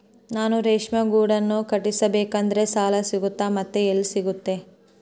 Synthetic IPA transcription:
naːnuɾeːʂmɐɡuːɽɐnːukɐʈisɐbeːkɐnd̪ɐɾe̞saːlɐsiɡut̪ːaːmɐt̪ːeelːsiɡut̪ːe̞

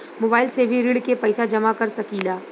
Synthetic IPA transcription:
moːbaːɪlsebʱiɾiɽkepɐjsad͡ʒɐmakɐɾsɐkiːlaː

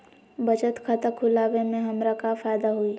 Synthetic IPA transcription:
bɐd͡ʒət̪kʰət̪əkʰʊlaːʋemẽɦɐmɾakafaːjd̪aɦui

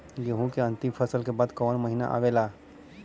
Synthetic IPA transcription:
ɡeɦũkeɐ̃nt̪ɪmfʰəsəlkebaːd̪kɔːnməɦina̰ʔa̰ʋelaː

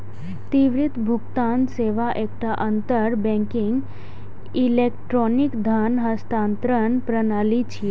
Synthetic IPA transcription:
t̪iʋɾit̪bʱukt̪anseʋaʔek̚ʈaʔənt̪əɾbɛ̃ŋkiŋɡ | ilekʈɾɔnikd̪ʱanɦəst̪aːnt̪ɾənpɾənalit͡ʃʰie

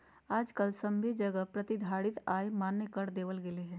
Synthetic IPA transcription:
aːd͡ʒkəlsɐ̃mbʱed͡ʒɐɡəpɾɐt̪id̪ʱaːɽɪt̪aːemaːnːəkəɾd̪eːʋəlɡɪleɦɛ̃ː

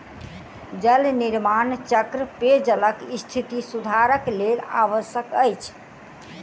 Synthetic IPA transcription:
d͡ʒəlniɾmant͡ʃəkɾəped͡ʒələkist̪ʰit̪isud̪ʱaɾəklela̰βəsjəkəjt͡ʃʰ

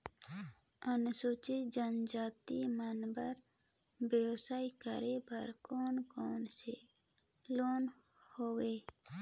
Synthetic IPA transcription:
ənsot͡ʃed͡ʒənd͡ʒaːt̪imanbəɾ | bewsaːikə̰ɾebəɾkoːnkoːnsḛ | loːn | howe

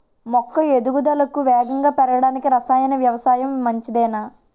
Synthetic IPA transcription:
mɔkːɐed̪uɡud̪ɐlɐkuʋɛːɡɐŋɡaːpɛɾɐɐɽaːnikiɾɐsaːjɐnɐʋjɐʋɐsaːjɐmːɐɲt͡ʃid̪ɛjnaː

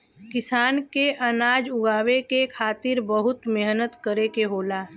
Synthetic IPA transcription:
kɪsaːnkeʔənaːd͡ʒʊɡaːwekekʰaːt̪ɪɾbəɦʊt̪meɦnət̪kəɾekeɦoːlaː

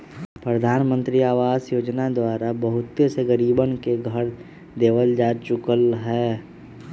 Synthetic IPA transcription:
pɾəd̪ʱaːnmə̃nt̪ɾiaːʋaːzjoːd͡ʒnad̪waːɾabɐɦʊt̪ːeseɡəɾiːbənkeɡʱəɾ | d̪eːʋəld͡ʒaːt͡ʃʊkəlɦɛː

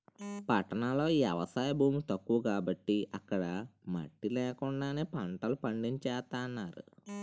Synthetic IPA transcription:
pɐʈːɐnɐlo̞ːiːɐ̰ʋɐsaːjɐbʱuːmit̪ɐkːuʋukaːbɐʈːiʔɐkːɐɽɐmɐ̰ʈːilɛːkuɳɖaːneːpɐɳʈɐlupɐɳɖiɲt͡ʃɛːt̪aːɐnːaːɾṵ

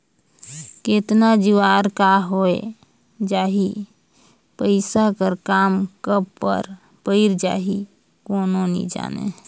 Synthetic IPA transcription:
ket̪nad͡ʒiwaːɾkaɦoḛ | d͡ʒaːɦi | pəɪsakəɾkaːmkəbːə̰ɾ | pəɪɾd͡ʒa̰ːɦi | koːnonḭd͡ʒa̰ːnḛ

